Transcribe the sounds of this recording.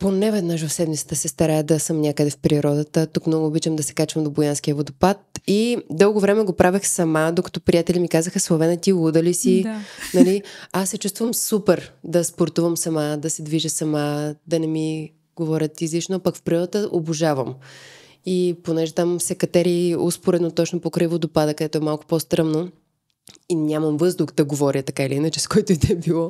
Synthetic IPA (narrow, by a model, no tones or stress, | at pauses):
ponɛvɛd̪nəʃ̬vəfsɛd̪mit̪sə̥t̪əsɛst̪ɐɾaɛd̪ɐsəmnʲakəd̪ɛfpɾiɾɔd̪ət̪ət̪ukmnɔɡoːbit͡ʃəmd̪ɐsɛ̥kat͡ʃvɐmd̪obojanskiəvod̪opat̪̚id̪ɤlˠɡovɾɛmɛɡopɾʔavixsɐmad̪okɐ̥t̪ɔpɾijat̪ɛlimikazəxəslˠovɛnət̪iud̪əlisinɐliasːɛt͡ʃust̪vəmsupɛɾd̪ɐspoɾt̪uvəmsɐmad̪ɐsɛd̪viʒəsɐmad̪ɐnɛmi | ɡovɔɾʲət̪izlit͡ʃnoapɐkfpɾilˠət̪əʔoboʒavəm | iponɛʒɛt̪amsɛkɐt̪ɛɾiospoɾɛd̪not̪ɔt͡ʃnopokɾəivod̪opad̪əkɐd̪ɛt̪ʊɛmalˠkʊ̥post̪ɾamno | inʲaməmvɤzd̪uxd̪ɐɡovɔɾʲət̪ɐkailiinət͡ʃɛskɔjt̪oid̪ɛbilˠɔ